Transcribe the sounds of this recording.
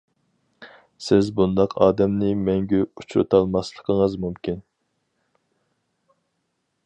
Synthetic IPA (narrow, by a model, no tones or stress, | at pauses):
sɪzbund̪ɑqʰɑ̰ːd̪ɛmnɪmɛŋɡʲɛut͡ʃʰɾɨ̰t̪ʰɑlˠmɑslˠəqʰəŋəzmumkʲʰin